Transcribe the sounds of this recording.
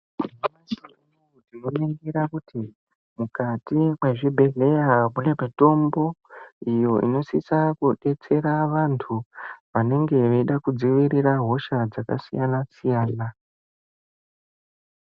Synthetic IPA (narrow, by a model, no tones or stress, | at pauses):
amasi | noutinoniŋɡiɾakuti | mukatimweʐibʱe̞ɮe̞jakunemito̞mbo̞ijo̞ḭno̞sisakuɗe̞t͡se̞ɾaʋantʰuʋane̞ŋɡe̞ʋeiɗakud͡ziʋiɾiraɦo̞ʃad͡zaka̰sḭjanasijaːna